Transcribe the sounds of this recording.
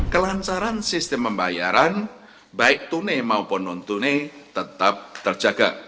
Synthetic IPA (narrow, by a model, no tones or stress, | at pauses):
kəlant͡ʃaɾansist̪ɛmpəmbajaɾan | baɪk̚t̪unemaupɔnɔnt̪unet̪ət̪ap̚t̪ər̥ʒ̥a̤ɡ̥a̰ʔ